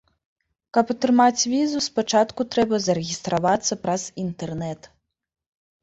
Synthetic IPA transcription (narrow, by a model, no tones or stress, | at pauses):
kɐpat̪ɾɨmat͡sʲvʲizuspat͡ʂat̪kut̪ɾɛbɐzɐɾɛɣʲist̪ɾavat̪sːɐpɾɐz̥int̪ɛrnɛt̪